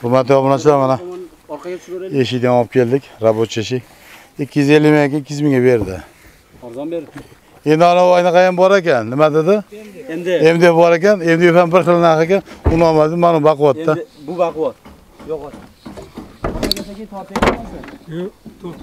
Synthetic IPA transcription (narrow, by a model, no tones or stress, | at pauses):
bʊmat̪ʰɪjɒbʊnat͡ʃʰɪlamana | eʃɪd̪anɒp̚kʲʰe̞lˠd̪ɪkʲɾabot̪t͡ʃʰeʃ̬ɪkʲ | ɪkʲʰːɪjyze̞lːɪmaakʲanɪkʰʲːjyzmɪŋʲɡʲabe̞ɾd̪ɪ̰ | e̞nd̪ɪanaɒjnɨqʰɑjambɒɾakʲanːɪmad̪ɪd̪ɪ | emd̪eefbɒɾakʲane̞md̪eefambɪɾχɨlˠnaχakʲanʊnɒmad̪ɪd̪manobaqɨwat̪ːa | t̪